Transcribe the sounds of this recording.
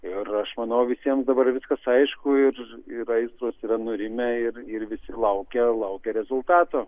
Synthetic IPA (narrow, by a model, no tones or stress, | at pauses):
ɪrɐʃmɐnɐʊʋʲɪsʲiɛmsd̪ɐbɐɾʋʲɪskɐsɐɪʃkʊɪrɪɾɐɪst̪ɾoːsiɾɐnʊɾʲɪmʲɛɪrɪrʋʲɪsʲɪlˠɐʊkʲɛlˠɐʊkʲɛɾʲɛzʊlˠt̪ɑːt̪oː